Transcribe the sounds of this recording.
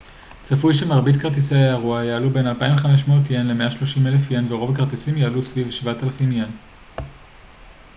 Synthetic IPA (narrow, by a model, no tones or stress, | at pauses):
t͡safujʃemaʁbidkaʁt̪̬iseaaʁuajaːlube̞nalpaĩveχameʃmootjenle̞meʔaʃlo̞ʃimelefjenveʁo̞vakaʁt̪isimjaalusvivʃvatalafimjen